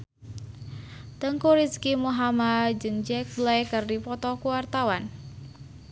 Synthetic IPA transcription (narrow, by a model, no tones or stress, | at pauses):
t̪əŋkuɾiskimuɦamad͡ʒɨŋd͡ʒɛk̚blajkɨrdipɔt̪ɔkuwart̪awan